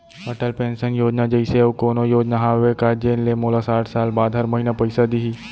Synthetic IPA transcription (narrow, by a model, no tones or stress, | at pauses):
əʈəlpẽːnsənjoːd͡ʒnad͡ʒəɪseukoːnojoːd͡ʒnaɦaːʋekaːd͡ʒenlemoːlasaːʈʰsaːlbaːd̪ɦɐɾmɐɦinapəɪsad̪iɦiː